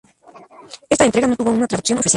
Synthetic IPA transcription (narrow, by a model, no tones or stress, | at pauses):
est̪aent̪ɾeɣanot̪uβounat̪ɾaðuksjo̞nofis